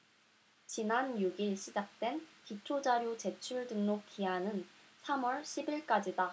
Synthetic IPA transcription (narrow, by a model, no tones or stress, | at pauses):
t͡ɕinanjuɡiɭɕʰid͡ʑak̚t͈we̞nkit͡ɕʰod͡ʑaɾjot͡ɕe̞t͡ɕʰuɭdɯŋnokk͈ʰiɦanɯn | sʰamwʌɭɕʰibiɭk͈ad͡ʑida